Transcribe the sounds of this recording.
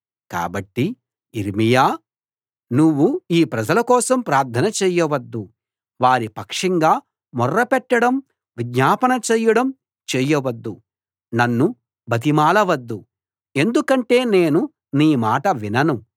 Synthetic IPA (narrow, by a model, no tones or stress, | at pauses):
ka̰ːbɐʈːi | iɾmijaː | nuʋːuiːpɾɐd͡ʒɐlɐkɔːsɐmpɾaːɾd̪ʰɐnɐt͡ʃɛːjɐʋɐd̪ːu | ʋaːɾipɐkʂɐŋɡaː | mɔrːɐpɛʈːɐɽɐm | ʋiɡ̪ɲaːpɐnɐt͡ʃɛːjɐɽɐm | t͡ʃɛːjɐʋɐd̪ːu | nɐnːu | bɐt̪̬imaːlɐʋɐd̪ːu | e̞nd̪ukɐɳʈe̞ːne̞ːnu | niːmaːʈɐʋinɐnu